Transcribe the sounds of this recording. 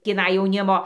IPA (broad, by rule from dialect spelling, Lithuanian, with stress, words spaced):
tʲiːˈnɐɪ jɛʊˈnʲɪmoː